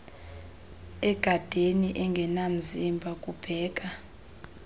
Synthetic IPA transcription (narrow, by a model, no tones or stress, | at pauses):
ɛɡ̥ʱad̥ʱeniʔɛŋɡʱɛnam̩zimbʱakʼub̥ʱɛːɡ̥ʼʱa